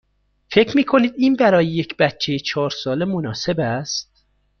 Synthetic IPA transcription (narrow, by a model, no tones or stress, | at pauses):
fe̞cʰɾmiːkʰo̞niːd̪iːnbæɾɒːjeje̞cʰb̥æt̪̚t͡ʃʰːejet͡ʃʰɒːɾsɒːle̞monɒːse̞bæst̪̚